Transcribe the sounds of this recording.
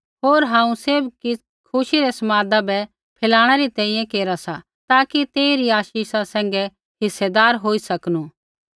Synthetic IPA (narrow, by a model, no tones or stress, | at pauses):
ɦoːɾɦãːũseːbki | kʰʊʃiɾɛsɐmaːd̪abɛ | pʰɪlaːɽ̃ɛɾit̪ɛ̃ːĩjɛ̃keːɾasa | t̪aːkit̪eːiɾiaːʃiːsasɛ̃ːŋ̆ɡɛ | ɦɪsːɛd̪aːɾɦoːisɐknu